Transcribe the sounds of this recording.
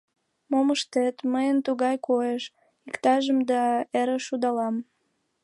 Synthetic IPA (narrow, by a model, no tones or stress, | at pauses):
moməʃt̪et̪məjənt̪uɣɑjkojeʃ | ikt̪ɑʒəmd̪ɑeɾeʃud̪ɑlɑm